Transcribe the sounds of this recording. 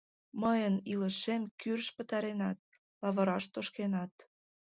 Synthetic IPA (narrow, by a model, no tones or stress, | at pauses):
məjəniləʃemkyrʃpə̆t̪ɑɾenɑt̪̚ | lɑβə̆ɾɑʃt̪oʃkenɑt̪